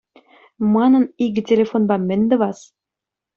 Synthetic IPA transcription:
mɑnɤ̆niɡɘ̆tʲelʲefonbɑmɘ̆nʲd̪ɘ̆βɑs

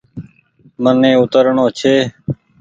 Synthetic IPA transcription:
mənẽːʊt̪əɾəɳoːt͡ʃʰeː

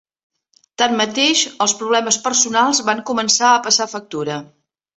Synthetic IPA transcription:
t̪anːət̪eʃəlˠspɾuβ̞lɛməspərsunalˠzβaŋkumənsaəpəsafək̚t̪uɾə

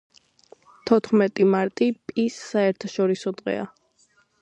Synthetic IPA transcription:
t̪ʰɔt̪ʰχmɛt̪ʼimaɾt̪ʼipʼisːaɛɾt̪ʰaʃɔɾisɔd̪ʁɛ̰a̰

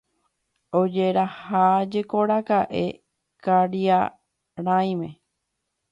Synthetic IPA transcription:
od͡ʒeɾahad͡ʒekoɾakaʔe | kaɾia | ɾãj̃mẽ̞

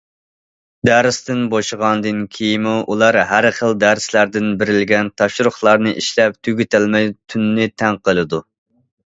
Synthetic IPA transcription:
d̪æɾɪst̪ɪnboʃəʁɑnɨd̪ɨnkʲʰijimuʔulˠɑɾɦæɾχəlˠd̪æɾɪslæɾd̪ɪnbɪɾɪlɡʲɛnt̪ʰɑʃɾʊχlˠɑɾnɨʔiʃlɛp̚t̪ʰyɡʲyt̪ʰɪlmɛjt̪ʰynːɪt̪ʰɛŋqəlˠɨd̪u

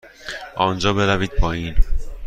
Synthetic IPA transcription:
ɒnd͡ʒɒːbeɾæviːd̪̥̚pʰɒiːn

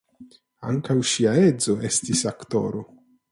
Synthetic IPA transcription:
a̰ŋkawʃiaezo̞est̪isakt̪o̰ɾo

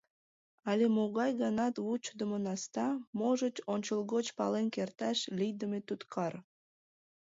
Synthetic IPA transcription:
ɑlʲemoɣɑjɣɑnɑt̪ut͡ɕd̪əmonɑst̪ɑmoʒət͡ɕonʲt͡ɕəlˠɣot͡ɕpɑ̰lenkert̪ɑʃlʲijd̪əmet̪ut̪kʰɑr

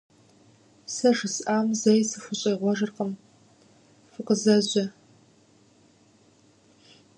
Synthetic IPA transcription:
sɐʒɨsʔaːmzɐjsɨfʷʊɕʼɐːʁʷɔʒɨrqəm | fɨqəzɐʑɐ

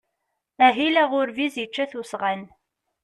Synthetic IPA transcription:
æɦilæʁʊɾvizjət͡ʃːæθusʁən

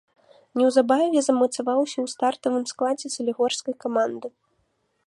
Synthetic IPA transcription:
nʲɛwzabavʲɛzɐmɐt̪savawsʲɐwst̪art̪ɐvɨmsklˠad͡zʲɛtsɨlʲiɣɔrskɐjkamand̪ɨ

